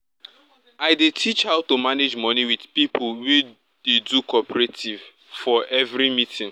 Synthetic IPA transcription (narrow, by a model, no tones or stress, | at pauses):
aɪdetʰit͡ʃhaʊtumaned͡ʒmɔniwidpipʰʊlwe | d̥edukʰɔpɛɹetʰiv | fɔʔɛvɾimitʰĩŋ